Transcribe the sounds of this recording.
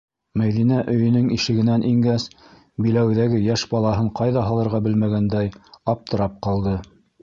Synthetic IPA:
mæjðinæʔɵ̆jɵ̆nɘŋiʃɘ̆ɡɘ̆nænʔiŋɡæs | bilæwðæɡɘjæʃbɑlˠɑɦɤɴqɑjðɑɦɑlˠɤ̆ɾʁɑbɘlmæɡænd̪æjɑp̚t̪ʰɤ̆ɾɑp̚qɑlˠd̪ɤ

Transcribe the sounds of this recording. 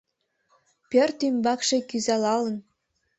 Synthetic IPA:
pʲĕrʲt̪ymbɑkʃĕkʲyzɑlɑlˠɤ̆n

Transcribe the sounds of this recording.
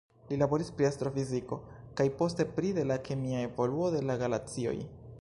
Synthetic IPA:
lilaboɾispɾiastɾo̞fiziko̞kajpo̞ste̞pɾide̞lakʰe̞miae̞vo̞luo̞de̞laɡalat͡sio̞̰j

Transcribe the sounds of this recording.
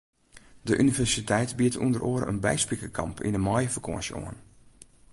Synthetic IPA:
dəʔynivɛsitʰɛjtbiətṵndərʔoːəɾə̰nbɛ̰jspikəkʰɑ̰mpʰḭnəmɔjfəkʰo̰ːənso̰ən

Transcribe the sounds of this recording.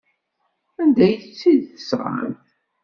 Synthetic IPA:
ænd̪æjət͡sːiðθəsʁ̰ə̰n

